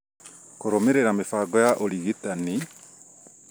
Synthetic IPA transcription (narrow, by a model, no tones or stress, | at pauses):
koɾomeɾeɾamefaːɡɔjaʔoliɣitani